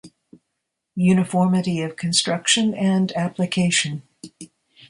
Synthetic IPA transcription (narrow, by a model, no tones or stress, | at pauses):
jʉnɨfɔɹmɨɾiʌv̥kʰɨ̃nstɹ̥ʌkʃɨ̃nɨ̃ndæplɨkʰeɪʃɨ̃n